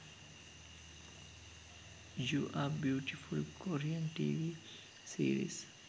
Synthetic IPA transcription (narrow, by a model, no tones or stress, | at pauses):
juːʔabjuːʈifulkoɾiə̃nʈḭːʋi | sḭːɾḭs